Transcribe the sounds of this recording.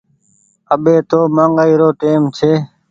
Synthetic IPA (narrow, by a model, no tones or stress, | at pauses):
əɓeːt̪oːmãːŋɡaːiːɾoːʈeːmt͡ʃʰeː